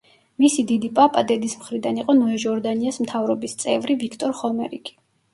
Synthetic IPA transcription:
misid̪id̪ipʼapʼad̪ɛd̪ismχɾid̪aniqʼɔnɔɛʒɔɾd̪aniasmt̪ʰavɾɔbist̪sʼɛ̰vɾivikʰt̪ʼɔɾχɔmɛɾḭɡʰʼi̥

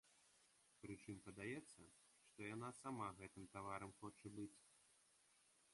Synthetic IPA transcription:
pɾɨt͡ʂɨmpɐd̪ajɛt̪sːɐ | ʂt̪ɔjanasamaɣɛt̪ɨmt̪avaɾɐmxɔt͡ʂɐbɨt͡sʲ

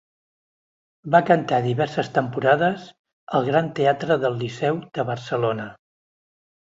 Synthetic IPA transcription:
bakənt̪aðiβɛɾsəst̪əmpuɾaðəz | əlˠɣɾant̪eat̪ɾəðəlˠːisɛwd̪əβərsəlonə

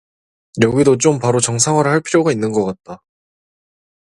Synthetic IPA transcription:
jʌɡidot͡ɕ͈ompaɾot͡ɕʌŋsʰaŋɦwaɾɯɭɦaɭpʰiɾjoɡainːɯnɡʌk͈at̚t͈a

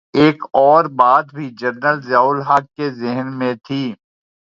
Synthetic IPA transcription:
eːkɔːɾbaːd̪bʱid͡ʒəɾnəlzaːʊlɦaːkːezɪɦnmẽt̪ʰiː

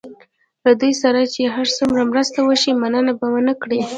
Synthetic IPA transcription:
lad̪ujsaɾat͡ʃeɦaɾsumɾamɾəst̪awəʃimanənabawənəkɽi

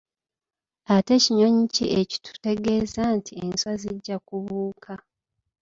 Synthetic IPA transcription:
ate̞ciɲo̞ɲiciʔeci̥tʰu̥te̞ɡe̞ːzaːntʰie̞nswaziɟːakuβuːkʰa

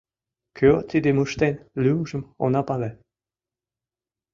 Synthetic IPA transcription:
kʰøt̪id̪emuʃt̪enlymʒə̆mo̰nɑpɑle

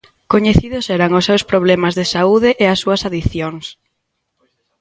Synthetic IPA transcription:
koɲeθiðʊsɛɾaŋʊsːewspɾoβ̞lɛmazðesauðɪʔeasːuɐsaðiθjoŋs

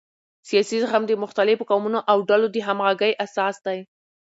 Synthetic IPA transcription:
sijɑsizxamd̪əmʊxt̪alɪfkɑwmunoʔawɖalod̪əɦamɣaɡəjʔasɑsd̪aj

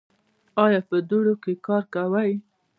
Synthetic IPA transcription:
ɑjɑpəd̪oɽokekɑɾkawaj

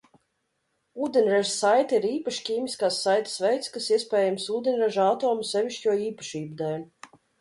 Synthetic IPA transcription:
uːd̪ʲenʲɾaʒsajt̪aiɾiːpaʃkʲiːmʲiskaːsːajt̪ḁsvɛjt̪skasiɛspʲɛːjamsuːd̪ʲenʲɾɛʒat̪oːmsɛvʲiʃcʲuɔiːpḁʃiːbud̪ɛːlʲu

